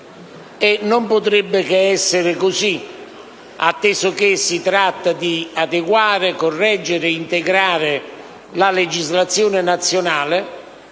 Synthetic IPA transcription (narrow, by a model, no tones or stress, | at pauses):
enʊmpot̪ɾebːɪkeɛsːɪɾɪkʊsi | a̰t̪ːɛsok̟esːit̪ɾat̪ːad̪iad̪eɡwaːɾɪkorːɛd͡ʒːɪɾɪint̪eɡɾaːɾɪ | laled͡ʒizlat̪sːjoːnɪnat̪sːjonaːlɪ